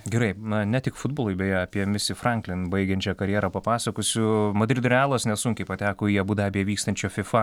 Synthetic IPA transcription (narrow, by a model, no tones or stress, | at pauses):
ɡʲɛɾɐɪnɐnʲɛt̪ʲɪkfʊd̪boːlˠʊjbʲɛjɛɐːpʲiɛmʲɪsʲɪfrɐŋklʲɪnbɐɪɡʲɛnʲt͡ʃʲɛkɐɾʲjɛɾɐpɐpɑːsɐkoːsʲʊmɐd̪ʲɾʲɪd̪ʊɾʲæːlˠoːsnʲɛsʊŋʲkʲɛɪpɐt̪ʲæːkoːjiɛbuːd̪ɐɑbʲiɛʋʲiːkst̪ɐnʲt͡ʃʲoːfʲɪfɐ